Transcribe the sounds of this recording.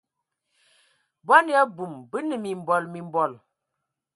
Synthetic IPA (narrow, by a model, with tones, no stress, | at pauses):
bɔ˦n˦a˦bu˨mbə˦nə˨mi˨m˨bɔ˨lmi˨m˦bɔ˦˨l